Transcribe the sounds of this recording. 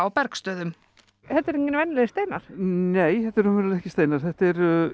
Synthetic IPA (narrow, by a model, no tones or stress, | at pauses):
awpɛɾkst̪œːðʏm | hɛt̪ːɛɾeɲcːɪnvɛnːlɛðst̪eːjnaɾ̥neːjθɛt̪ːɛɾʏmɪnlɛhcɪst̪eːjnaɾ̥θɛht̪ɛɾ